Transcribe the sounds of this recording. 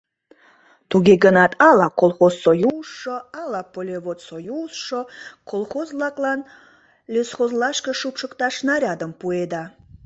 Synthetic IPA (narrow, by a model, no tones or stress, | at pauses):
t̪uɡʲeɡənɑt̪ʰɑlˠɑkolˠχozːojusʃoɑlɑpolʲevot̪sojusʃokʰolˠxozlˠɑklˠɑn | lʲesχozlˠɑʃkəʃupʃəkt̪ɑʃnɑɾʲɑd̪əmpued̪ɑ